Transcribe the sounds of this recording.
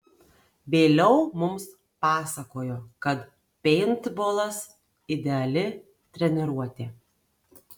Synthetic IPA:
ʋʲeːlʲɛʊmʊms | pɑːsɐkoːjoːkɐt̪ | pʲɛɪnt̪boːlˠɐs | ɪd̪ʲɛɐlʲɪ | t̪ʲɾʲɛnʲɛɾuɔt̪ʲeː

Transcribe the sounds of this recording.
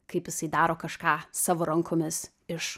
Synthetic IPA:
kɐɪpjɪsɐɪd̪ɑːɾoːkɐʃkɑːsɑːʋoːɾɐŋkʰoːmʲɪs | ɪʃ

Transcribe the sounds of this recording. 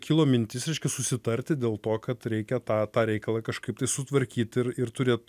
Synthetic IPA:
kʲiːlˠoːmʲɪnʲt̪ʲɪsɾʲɛɪʃʲkʲɛsʊsʲɪt̪ɐrʲt̪ʲɪd̪ʲeːlˠt̪oːkɐt̪ɾʲɛɪkʲɛt̪ɑːt̪ɑːɾʲɛɪkɐlˠɐkɐʃkɐɪpt̪ɐɪsʊt̪ʋɐɾʲkʲiːt̪ɪrɪrt̪ʊɾʲeːt̪

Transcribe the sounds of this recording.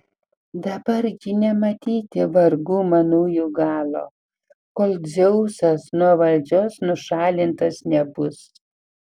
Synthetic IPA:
d̪ɐbɐɾɡʲɪnʲɛmɐt̪ʲiːt̪ʲɪʋɐɾɡuːmɐnuːjuːɡɑːlˠo̰ː | koːlˠʲd͡zʲɛʊsɐsnuɔʋɐlʲd͡ʒʲoːsnʊʃɑːlʲɪnt̪ɐsnʲɛbʊs

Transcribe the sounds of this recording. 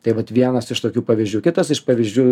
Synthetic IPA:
t̪ɐɪʋɐt̪ʋʲiɛnɐsɪʃt̪oːkʲuːpɐʋʲɪzʲd͡ʒʲuːkʲɪt̪ɐsɪʃpɐʋʲizʲd͡ʒʲuː

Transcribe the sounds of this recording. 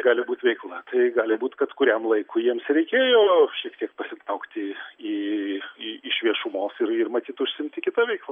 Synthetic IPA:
ɡɑːlʲɪbuːt̪ʋʲɛɪklˠɐt̪ɐɪɡɑːlʲɪbuːt̪kɐt̪kʊɾʲɛmlˠɐɪkʊjiɛmsɾʲɛɪkʲeːjoːʃʲiɛk̚t̪ʲiɛkpɐsʲɪt̪ɾɐʊkt̪ʲɪi | ɪɪʃʲʋʲiɛʃʊmoːsɪrɪrmɐt̪ʲiːt̪ʊʃʲsʲɪmʲt̪ʲɪkʲɪt̪ɐʋʲɛɪklˠɐ

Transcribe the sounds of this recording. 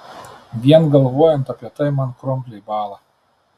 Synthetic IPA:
vʲiɛnɡalˠvuɔjɛnt̪apʲat̪ajmankɾɔmpʲlʲibaːlˠa

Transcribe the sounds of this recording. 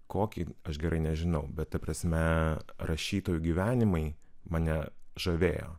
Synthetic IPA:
koːkʲiɐʃɡʲɛɾʔɐɪnʲɛʒʲɪnɐʊbʲɛt̪t̪ɐpɾɐsʲmʲɛɾɐʃʲiːt̪oːjʊɡʲiːʋʲæːnʲɪmɐɪ | mɐnʲɛʒɐʋʲeːjo̰ː

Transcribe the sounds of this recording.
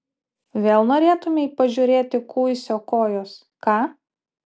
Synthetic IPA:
ʋʲeːlˠnoːɾʲeːt̪ʊmʲɛɪpɐʒʲʊːɾʲeːt̪ʲɪkuːjsʲoːkoːjoːs | kɑː

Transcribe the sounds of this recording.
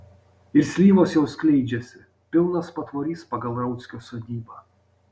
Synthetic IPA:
ɪɾʲsʲlʲiːʋɔsjɛwskʲlʲɛɪd͡ʒʲɛsʲɪ | pʲɪlˠnɐspɐt̪vɔɾʲiːspɐɡɐlɾɐwt̪sʲkʲɔsɔd̪ʲiːbɐ

